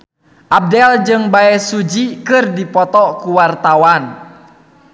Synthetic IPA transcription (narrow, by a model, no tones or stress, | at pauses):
ʔab̚dɛld͡ʒɨŋbaɛsud͡ʒikɨrdipɔt̪ɔkuwart̪awan